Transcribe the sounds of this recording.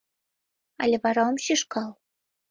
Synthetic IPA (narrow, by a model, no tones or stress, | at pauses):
ɑ̰lʲĕβɑɾɑŏmɕiʃkɑlˠ